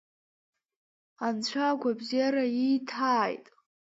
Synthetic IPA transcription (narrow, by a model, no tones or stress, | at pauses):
ant͡ɕʷʰaɡʷabzaɾaijtʰaːjtʼ